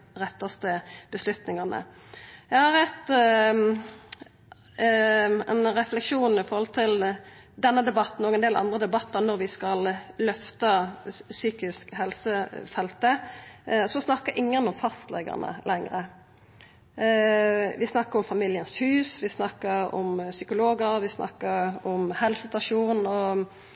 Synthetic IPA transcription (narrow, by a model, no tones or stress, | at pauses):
ɾɛt̪ːɑst̪əb̥əslʉt̪nɪŋɑʁnə̰ | jæhɑɾɛt̪ː | ɛnɾɛflɛkʂuːnɪfɔɾhɔlt̪ʰɪl | d̪ɛnːəd̪ɛbɑt̪ːn̩ɔːɡɛnd̪eːlʔɑ̰nd̪ʁəd̪ɛbɑt̪ːəɾnɔɾʋɪskɑllœft̪ɑsyːkɪskhɛlsəfɛlt̪ə | sɔsnɑkəɾʔɪŋːənɔmfɑst̪lɛ̰ɡə̰nə̰lʔɛŋɾə | ʋɪsnɑkːəɾɔmfɑmɪljənshʉːsʋɪsnɑkːəɾɔ̰msʏkʊloːɡəɾʋɪsnʔɑ̰kːəɾɔmhɛlsɪt̪ɑʂuːnɔ